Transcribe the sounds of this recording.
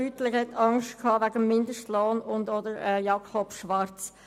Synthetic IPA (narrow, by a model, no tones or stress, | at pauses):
yːtlɪxhɛtɑŋʃtkʰɑːvæɡəmːɪndəʃtloːnʊndodəɾɛjɑkɔpʃʋɑɾt͡s